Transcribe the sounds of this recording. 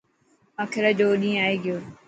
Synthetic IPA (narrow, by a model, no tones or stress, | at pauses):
aːkʰɪɾad͡ʑoːɗĩːaːeːɡɪjoː